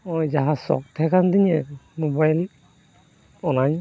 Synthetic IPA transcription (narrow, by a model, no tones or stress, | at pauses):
ɔjd͡ʒaɦasɔ̰k̚t̪ʰɛkand̪iɲɛmobajl | ɔnaɲ